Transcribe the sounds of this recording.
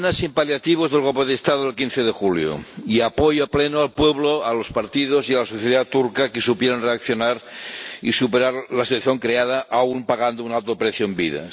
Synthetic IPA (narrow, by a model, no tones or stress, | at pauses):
nasimpaljat̪iβ̞ozðelɣ̞olpeðest̪aðoðelkinθeðexuljo̰iapojoaplenoalpweβ̞loalospaɾt̪iðosialasoθjeðat̪uɾkakesupjeɾanreakθjonaɾḭsupeɾaɾlasit̪waθjoŋkɾeað̞aʔaumpaɣand̪ounalt̪opɾeθjoembiða̰